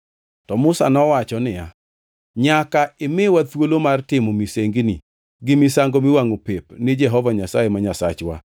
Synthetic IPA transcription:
tɔmʊsa̰nɔwat͡ʃɔnɪja | ɲakaɪmɪwat̪wolomartɪmomiseŋɡni | ɡɪmisaŋɡomɪwaŋopepnɪd͡ʒɛɦɔvaɲasajemaɲasat͡ʃwa̰

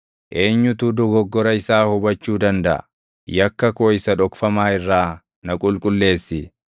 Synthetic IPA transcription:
ʔe̞ːɲːʊt̪ʊd̪ɔɡɔɡːɔɾɐɪsaːhʊbɐt͡ʃːuːd̪ɐnd̪ɐʔɐ̰ | jɐkːɐkoːɪsɐᶑɔkfɐmaːɪrːaː | nɐkʼʊlkʼʊlːe̞ːsːɪ

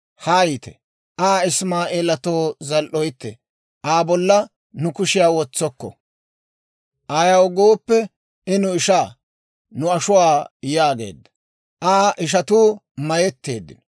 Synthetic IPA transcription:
haːjit̪ɛ | ʔaːɪsmaːʔeːlɐt̪oːzɐlʔɔjt̪ːɛ̰ | ʔaːbɔlːɐ | nʊkʊʃɪjaːwɔt͡sːɔkːɔ̰ | ʔɐjɐwɡoːpːɛ | ɪnʊɪʃaː | nʊɐʃʊwaːjaːɡḛːd̪ːɐ̥ | ʔaːʔɪʃ̬ɐt̪uː | mɐjɛt̪ːḛːd̪ːɪ̰n

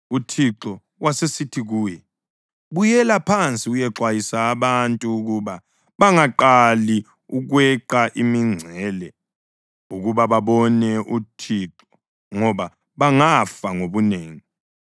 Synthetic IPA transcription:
utʰiǁɔ | wasesitʰiɣuːjɛ | βujɛlapʰant͡sʼiujɛǁwajisaːβantʼuːɣuβa | βaŋaǃali | uɣwɛǃaʔimiŋ͡ǀʱɛːlɛ | uɣuβaβaβɔnɛʔutʰiǁɔ̥ | ŋɔβa | βaŋafaŋoβuneːŋi

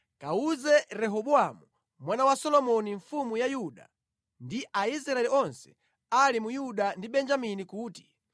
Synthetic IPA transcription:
kauzɛɾɛɦɔɓuamu | mwanawasɔlɔmɔniɱfumujajuɗa̰ | ndiʔais̬ɾaɛliɔnsɛ̥ | alimujuɗandiɓɛnd͡ʒaminikuːti̥

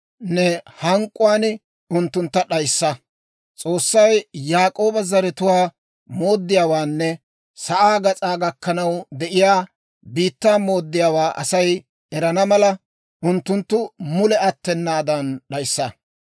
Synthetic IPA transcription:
nɛhɐŋkʼːʊwaːn | ʊnt̪ːʊnt̪ːɐɗɐjsːɐ | t͡sʼo̞ːsːɐjjaːkʼo̞ːbɐzɐɾɛt̪ʊwaː | mo̞ːd̪ːɪjaːwaːnːɛ | sɐʔaːɡɐt͡sʼaːɡɐkːɐnɐwd̪ɛʔɪjaː | biːt̪ːaːmo̞ːd̪ːɪjaːwaːʔɐsɐj | ɛɾɐnɐmɐlɐ | ʔʊnt̪ːʊnt̪ːʊmʊlɛɐt̪ːɛnːaːd̪ɐnɗɐjsːɐ

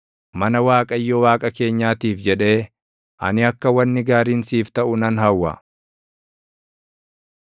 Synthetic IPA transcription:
mɐnɐwaːkʼɐjːɔwaːkʼɐke̞ːɲːaːt̪iːfd͡ʒɛᶑe̞ː | ʔɐ̰nɪɐkːɐwɐnːɪɡaːɾiːnsiːft̪ɐʔʊnɐnɦɐwːɐ̰

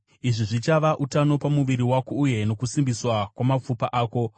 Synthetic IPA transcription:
iʐiʐit͡ʃaʋaʔutano̞pamuʋiɾiwakouje̞no̞kusimbiswakwamap͡fupaʔaːko̞

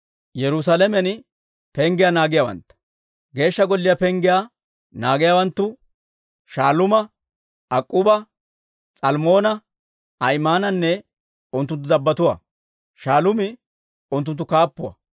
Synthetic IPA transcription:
jɛɾʊs̬alɛmɛn | pɛŋɡɪjanaːɡɪjawɐ̰nt̪ːɐ̥ | ɡe̞ːʃːɐɡɔlːɪjapɛŋɡɪja | naːɡɪjaːwɐnt̪ːʊ | ʃaːlʊmɐ | ɐkʼːʊbɐ | t͡sʼɐlmo̞ːnɐ | ɐjmaːnɐnːɛ | ʊnt̪ːʊnt̪̬ːʊzɐbːɐt̪ʊwɐ̰ | ʃaːlʊmɪ | ʊnt̪ʊnt̪ːʊkaːpːʊwɐ̰

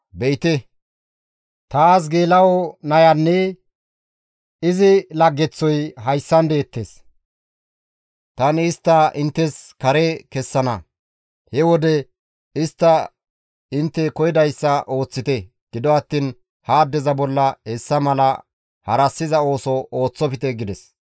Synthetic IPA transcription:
bɛjt̪ɛ | t̪aːs̬ɡeːlɐwɔnɐjɐnːɛ | ɪzɪlɐɡːɛt͡sːɔjɦɐjsːɐnd̪e̞ːt̪ːes | t̪ɐnɪst̪ːɐʔɪnt̪ːɛskɐɾɛkɛsːɐnɐ | hɛwɔd̪ɛ | ɪst̪ːɐ | ɪnt̪ːɛkɔjɪd̪ɐjsːɐʔo̞ːt͡sːɪt̪ɛ | ɡ̥ɪd̪ɔɐt̪ːiːn | haːd̪ɛzɐbɔlːɐhɛsːɐmɐlɐ | hɐɾɐsːɪzɐo̞ːsɔʔoːt͡sːɔpɪt̪ɛɡɪd̪ɛs

